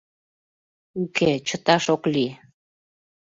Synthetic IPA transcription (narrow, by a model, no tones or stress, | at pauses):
uket͡ɕət̪ɑʃokli